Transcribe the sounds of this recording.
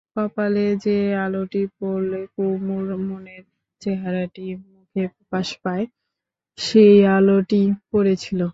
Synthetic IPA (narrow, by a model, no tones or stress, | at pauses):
papaled͡ʑealoʈipoɾlekummoneɾ | t͡ɕeɦaɾaʈimukʰepaʃpae | ʃejaloʈipoɾet͡ɕʰilo